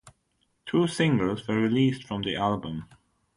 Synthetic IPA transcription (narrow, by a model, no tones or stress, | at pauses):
tʰuːsɪ̃ŋɡəlˠzwəɹɪliːˑstfɹə̃mðiʔælˠbə̃m